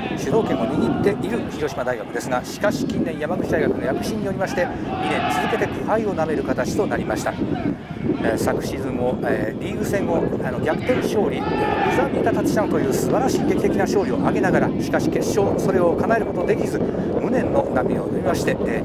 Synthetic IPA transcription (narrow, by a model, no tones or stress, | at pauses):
ɕɨd̪o̞ːkẽ̞mːo̞ɲʲiɡʲit̪ːe̞iɾɯ̟çiɾo̞ɕimad̪aiɡakɯd̪e̞sɨɡaɕi̥kaɕi̥kʲĩnːẽ̞ɰ̃jamaɡɯ̟t͡ɕid̪aiɡakɯ̟no̞jakɯ̟̥ɕĩɲ̟ːio̞ɾʲimaɕi̥t̪e̞ | ɲʲinẽ̞nt͡sɨzɨke̞t̪e̞k̪ʰihaio̞name̞ɾɯ̟kat̪at͡ɕi̥t̪o̞naɾʲimaɕi̥t̪a | sakɯ̟̥ɕizɨ̃mːo̞eɾʲiːɾɯ̟sẽ̞ŋɡõano̞ɡʲakɯ̟̥t̪ẽ̞ɰ̃ɕo̞ːɾʲiɯzamʲit̪at̪at͡ɕɕinãnt̪o̞jɯ̟ːsɨbaɾaɕiːkekʲit̪ekʲinaɕo̞ːɾio̞ʔaɡe̞naɡaɾaɕi̥kaɕi̥ke̞ɕːo̞ːso̞ɾe̞o̞kanae̞ɾɯ̟ko̞t̪o̞d̪e̞kʲizɨ | mɯ̟nẽ̞nːo̞nakɯɲonoɾʲimaɕi̥t̪e̞